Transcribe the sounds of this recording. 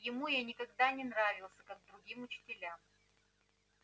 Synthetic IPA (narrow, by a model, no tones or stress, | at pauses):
jɪmujanʲɪkɐɡd̪anʲɪnɾavʲɪlˠsʲəkaɡ̚d̪ɾʊɡʲimʊt͡ɕɪ̥tʲɪlʲam